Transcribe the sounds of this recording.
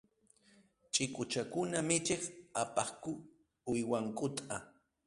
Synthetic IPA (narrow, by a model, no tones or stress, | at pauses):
t͡ʃʼɪkʊt͡ʃakʊnamɪt͡ʃeχapɑχkʊ | ʊjwaŋkʼʊt̪ʼa